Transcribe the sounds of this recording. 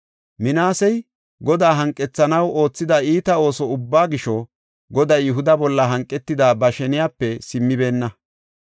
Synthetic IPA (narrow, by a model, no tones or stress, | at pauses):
mɪnaːsɛj | ɡɔd̪aːɦɐŋkʼːɛt͡sːɐnɐwo̞ːt͡sːɪd̪ɐiːt̪ɐo̞ːsɔʊbːaːɡɪʃɔ | ɡɔd̪ɐjːʊɦʊd̪ɐbɔlːɐɦɐŋkʼːɛt̪ːɪd̪aːbɐʃɛnɪjaːpːɛsɪmːɪbe̞ːnːɐ